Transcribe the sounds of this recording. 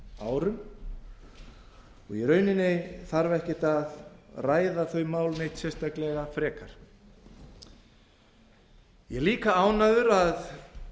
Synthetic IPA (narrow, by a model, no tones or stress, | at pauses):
aːwɾʏm | ɔɣiɾœːɥnɪnːɪθaɾvaɛhcɪt̪aðraːjðaθœɥmaːwlnejt̪sɛst̪aklɛɣafɾɛːkaɾ̥ | jɛɣliːkaaːwnaðʏɾað